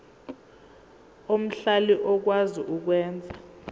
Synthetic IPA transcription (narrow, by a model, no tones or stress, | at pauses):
om̩ɬaliʔɔk̬waziʔuk̬wɛːnd͡zʱa